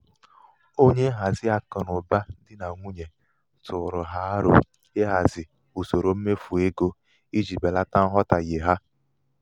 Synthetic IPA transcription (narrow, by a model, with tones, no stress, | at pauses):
o˦ɲe˦ɦa˨zɪ˦a˨kʊ˨nʊ˨ba˦dɪ˦na˨ŋʷu˦ɲe˨ | tʊ˨ɾʊ˨ɦa˦a˦ɾʊ̰˨ | e˦ɦa˨zɪ˨ | u˨so˨ɾo˨˦m̩˦me˦fu˨e˦ɡo˦ | i˦d͡ʒi˨be˨la˦ta˦n̩˦ɦɔ˦ta˨je˨ɦa˦